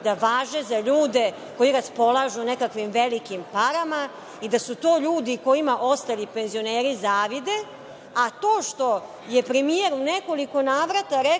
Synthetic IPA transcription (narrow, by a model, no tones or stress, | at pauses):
d̪aʋaːʒezaʎuːd̪e̞ | ko̞jiɾaspo̞lˠaʒunekakʋimʋelikimpaɾama | id̪asut̪o̞ːʎuːd̪iko̞jimaʔo̞st̪alipe̞nzio̞neːɾizaːʋid̪e̞ | at̪o̞ːʃt̪o̞ | je̞pɾemijeɾuuneko̞liko̞naːʋɾat̪aɾe